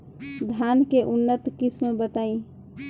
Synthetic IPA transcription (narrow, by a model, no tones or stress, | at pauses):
d̪ʱankeʔunːət̪kismebət̪ai